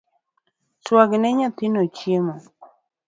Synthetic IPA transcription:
t͡ʃwaɡnɛɲɔt̪ɪnot͡ʃjemɔ

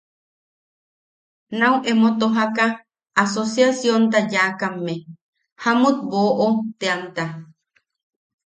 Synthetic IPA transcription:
nawʔemot̪oɦakaː | sosjasjont̪ajakamːe | hamut̪̚boʔot̪eant̪a

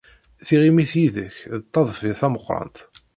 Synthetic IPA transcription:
θiʁimiθjiðəçðt̪ˤːɑðˤfiθæməχːɾˤɑ̰nt̪

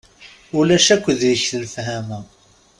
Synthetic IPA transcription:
ʊlæʃækʷːəðjiçθəlfhæmæ

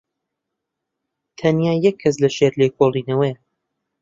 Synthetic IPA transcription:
t̪ʰɐnjaːjɛkʰːɐs̬lɐʃeːɾleːkʰolˠiːnɐwɐjɐ

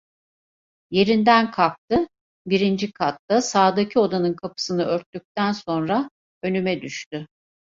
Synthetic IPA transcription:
je̞ɾind̪ænkʰalˠk̚t̪ʰɯ | biɾind͡ʒikʰat̪d̪asaːd̪acʰio̞d̪anɯnkʰapʰɯ̥sɯnɯøɾt̪ːyc̚t̪ænso̞nɾa | ø̞nymɛd̪yʃt̪y

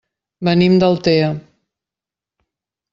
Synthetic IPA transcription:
bənimd̪əlˠt̪eə

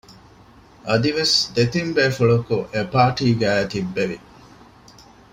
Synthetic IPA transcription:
ʔɐd̪iʋesd̪et̪imbeːfuɭɐkuʔepaːʈiːɡæːɐt̪ibːeʋi

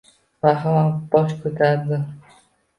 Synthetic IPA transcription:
vaɦalabɒʃkʰɵt̪ʰaɾd̪ɪ

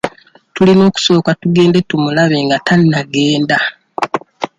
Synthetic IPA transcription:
tulino̞ːku̥so̞ːkatuɡe̞ːnde̞tumulaβe̞ːŋɡatanːaɡe̞ːnda

